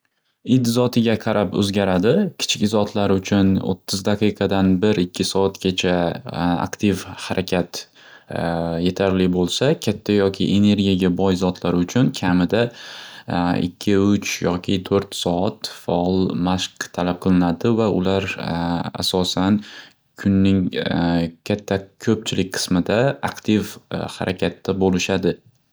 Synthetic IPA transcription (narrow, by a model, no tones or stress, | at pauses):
ɪd̪zɒt̪ʰɪɡʲaqʰɑɾʔapɵ̰zɡʲaɾad̪ɪkʲʰɪ̥t͡ʃʰɪkʲzɒt̪ʰlaɾʊt͡ʃʰʊno̰t̪ʰːɪzd̪aqʰɨqʰɑd̪anbɪɾɪkʲʰːɪsɒat̪ɡʲat͡ʃʰaa̰kt̪ʰɪvhaɾʔakʲʰat̪ | je̞t̪ʰaɾlɪbolˠsakʲʰat̪ʰːajɒkʲʰɪ̰ʔe̞ne̞ɾɡʲijaɡʲabɒjzɒt̪ʰlaɾʊt͡ʃʰʊnkʲʰamɪd̪a | ɪ̰kʲʰːɪʊt͡ʃjɒkʲʰɪt̪ʰɵɾt̪sɒat̪faɒlˠmaʃqt̪ʰalap̚qʰɨlˠɪnad̪ɪvaʊlaɾ | a̰sɒsan | kʰʊnːɪŋ | kʲʰat̪ʰːakʲʰɵp̚t͡ʃʰɪlɪk̚ʲqʰɨ̥smɪd̪aakt̪ʰɪvha̰ɾʔakʲʰat̪ːabolɪʃad̪ɪ